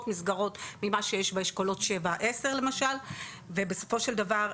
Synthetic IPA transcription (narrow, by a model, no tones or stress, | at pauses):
tmisɡaʁo̞tmimaʃejeʃbaiʃkolo̞tʃevaʔe̞se̞ʁle̞maʃal | vebeso̞fo̞ʃeld̪avaʁ